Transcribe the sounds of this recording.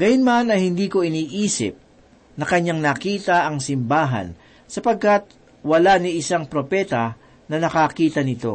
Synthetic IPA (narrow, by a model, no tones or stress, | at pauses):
ɡ̥ɐjʊnmɐnɐjhɪnd̪iːko̞ɪniːʔiːsɪ̰p̚ | nɐkɐɲːaŋnɐkiːt̪ɐʔɐŋsɪmbaːɦɐ̰n | sɐpɐɡ̚kɐt̪̚ | wɐlaniɪsaŋpɾopɛt̪ɐ | nɐnɐkakiːt̪ɐnɪt̪o̞̰